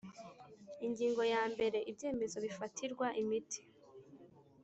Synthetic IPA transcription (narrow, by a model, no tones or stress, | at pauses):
iŋɡiːŋɡo̞jaːmbe̞ɾe̞ʔibje̞ːme̞zo̞βifatʰiɾɡwaʔimitʰi̥